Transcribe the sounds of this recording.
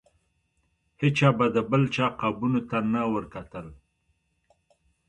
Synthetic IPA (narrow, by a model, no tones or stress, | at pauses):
het͡ʃɑbad̪əbəlt͡ʃɑqabunot̪anawəɾkat̪əl